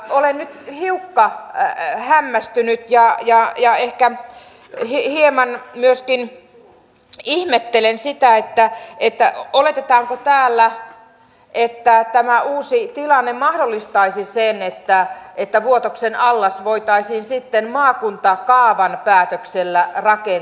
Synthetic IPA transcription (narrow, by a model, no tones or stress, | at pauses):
olennyt̪hiukːɑ | hæmːæst̪ynyt̪jɑjɑjɑehkæ | hihiemɑnmyøskin | ihmet̪ːelensit̪æet̪ːæet̪ːæolet̪et̪ɑːŋkot̪æːlːæ | ʔet̪ːæt̪æmæuːsit̪ilɑnːemɑhdolːist̪ɑisisenet̪ːæet̪ːæʋuot̪oksenɑlːɑsʋoit̪ɑisiːnsit̪ːenmɑːkunt̪ɑkɑːʋɑnpæːt̪økselːærɑke